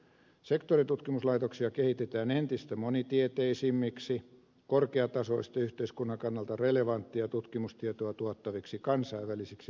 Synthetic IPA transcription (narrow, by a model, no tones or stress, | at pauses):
sekt̪orit̪ut̪kimuslɑit̪oksiɑkehit̪et̪æːnent̪ist̪æmonit̪iet̪eisimːiksi | korkeɑt̪ɑsoist̪ɑyht̪eiskunːɑkɑnːɑlt̪ɑreleʋɑnt̪ːiɑt̪ut̪kimust̪iet̪oɑt̪uɑt̪ːɑʋiksikɑnsɑiʋʋælisiksi